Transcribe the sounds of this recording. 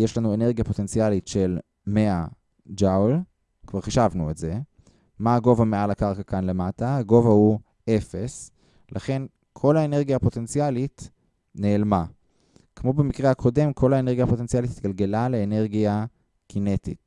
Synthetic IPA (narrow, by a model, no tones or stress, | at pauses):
jeʃlanue̞ne̞ʁɡijapo̞te̞nt͡sialitʃe̞l | mea | d͡ʒawl | kvaʁχiʃavnuetze | maːɡo̞vamealakaʁkakanle̞mataaɡo̞vahu | e̞fe̞s | laχe̞n | kʰo̞laene̞ʁɡijaːpo̞te̞nt͡sialit | neːlma | kmo̞bemikʁehakʰo̞de̞mkʰo̞laene̞ʁɡijapo̞te̞nt͡sijalit̪it̪̚ɡalɡe̞laleːne̞ʁɡia | kine̞tḭt